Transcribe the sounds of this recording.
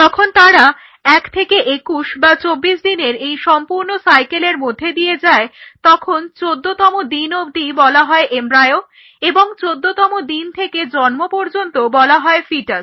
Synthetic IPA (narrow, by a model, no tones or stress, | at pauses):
t̪ɔkʰont̪aɾa | ɛkt̪ʰekeʔekuʃbat͡ɕobːiʃd̪ineɾejʃɔmpuɾnosajkeleɾmod̪ʱːed̪ijed͡ʑaet̪ɔkʰont͡ɕod̪ːot̪ɔmod̪inobd̪ibɔlaɦɔeʔemɾaeo | eboŋt͡ɕod̪ːot̪ɔmod̪int̪ʰeked͡ʑɔnmopɔɾd͡ʑont̪obɔlaɦɔefiʈas